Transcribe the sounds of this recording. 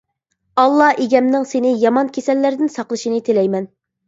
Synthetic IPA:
ɑlˠːɑheɡʲɛmnɪŋsenɪjɑmɑnkʲʰesɛlːæɾd̪ɪnsɑqlˠɨʃinɨt̪ʰelɛjmɛn

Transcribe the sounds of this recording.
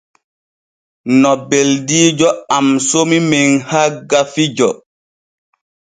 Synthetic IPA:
nɔbeldiːd͡ʒɔamsomimeŋhaɡafid͡ʒɔ

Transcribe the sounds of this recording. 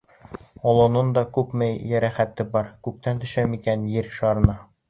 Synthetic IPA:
ɒlˠŏnɤnd̪ɑkʉpmæjːæɾæχæt̪ːɘbɑɾkʉp̚t̪ænt̪ɵ̆ʃæmikænjɘɾʃɑɾɤ̆nɑ

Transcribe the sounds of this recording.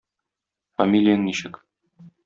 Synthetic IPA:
fɐmʲilʲɪjɤŋniɕɘk

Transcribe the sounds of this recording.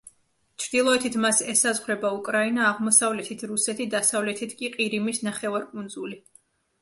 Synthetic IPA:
t͡ʃʰɾd̪̥ilˠɔɛt̪ʰit̪ʰmasɛsazʁɾɛbaukʼɾainaːʁmɔsavlɛt̪ʰit̪ʰɾusɛt̪ʰid̪asavlɛt̪ʰit̪ʰkʼiqʼiɾimisnaχɛvaɾkʼund̪zuli

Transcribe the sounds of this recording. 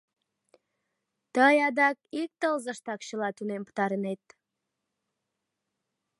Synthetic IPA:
t̪əjɑd̪ɑk̚ik̚t̪əlzəʃt̪ɑkɕəlɑt̪unempə̥t̪ɑɾənet̪̚

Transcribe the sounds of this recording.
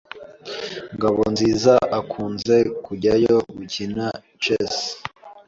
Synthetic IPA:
ŋɡaβonziːzaʔakʰuːnze̞kuɟajoɡucina | t͡ʃes

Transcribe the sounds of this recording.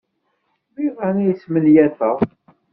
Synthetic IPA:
miʁænæjsmənjæθəʁˤ

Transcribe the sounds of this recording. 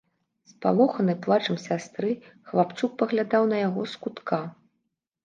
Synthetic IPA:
spa̰lˠɔxɐnɨjplˠat͡ʂɐmsʲast̪ɾɨxlˠap̪suk̚pɐɣlʲad̪awn̪ɐjaɣɔ̰skut̪ka

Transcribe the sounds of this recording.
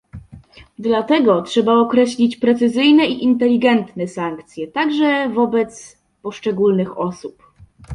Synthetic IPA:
d̪lat̪ɛɡɔtʂɛbaɔkɾɛɕlʲit͡ɕpɾɛt̪sɘzɘjnɛiʔint̪ɛlʲiɡɛnt̪nɛsaŋkt̪sʲjɛt̪aɡʐɛvɔbɛt̪s | pɔʂt͡ʂɛɡulnɘxɔsup

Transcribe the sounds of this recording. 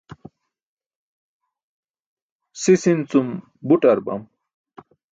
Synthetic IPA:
sisint͡sum | buʈɐɾbɐ̰m

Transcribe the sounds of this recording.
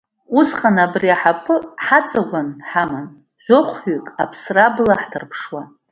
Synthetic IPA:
usχanabriaħapʰɨħat͡sʼaɡʷanħaman | ʒʷoχʷħʏkʼa̰pʰsrablaħtʰɨrpʰʂwa

